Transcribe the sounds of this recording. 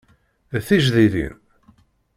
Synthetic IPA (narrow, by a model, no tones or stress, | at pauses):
θiʒðiðḭn